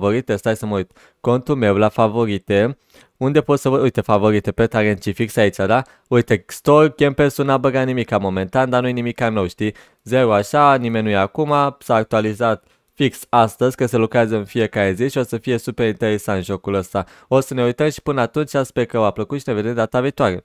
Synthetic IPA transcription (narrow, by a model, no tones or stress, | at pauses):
vo̞ɾit̪est̪ajsəməujt̪ | ko̞nt̪ulme̞wlafavo̞ɾit̪e | und̪e̞po̞t̪səvəd̪ujt̪efavo̞ɾit̪epet̪aɾent̪t͡ʃifiksait͡ʃad̪a | ujt̪est̪orkʲempesunabəɡat̪nimikamo̞mẽ̞nt̪and̪anujenimikanəwʃt̪i | zeɾuaʃanimenʲujeakumasaːk̚t̪ualizat̪ | fiksast̪əzʲkəselukɾeazəɨnfije̞kaɾe̞ziʃio̞səfije̞supe̞ɾint̪e̞ɾesaɨnʒo̞kuləst̪a | o̞səne̞ujt̪əmʃi̥pɨnəat̪unt͡ʃasperkəoapləkut̪ʃine̞ved̪e̞md̪at̪avit̪oaɾe̞